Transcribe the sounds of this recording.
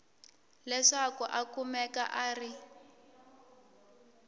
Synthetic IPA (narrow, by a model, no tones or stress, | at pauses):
lɛʂakuʔakumɛka̰ʔaːri